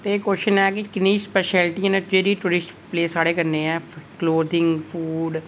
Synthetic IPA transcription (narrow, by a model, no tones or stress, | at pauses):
t̪eːkoːʃənɛːkɪkɪnːiːspɛːʃɛːlʈiãnẽd͡ʒeːɾiːʈuːɾɪsʈpleːsaːɽeːkəɾneːɛːkloːd̪ɪ̃ŋɡpʰuːɖ